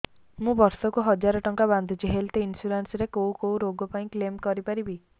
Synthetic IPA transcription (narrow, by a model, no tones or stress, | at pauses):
mũbɔɾsɔkuɦɔd͡ʒaɾɔʈɔŋkaband̪ʱut͡ʃʰiɦelt̪einsuɾansɾekowkowɾoɡɔpaĩklemkɔɾipaɾibi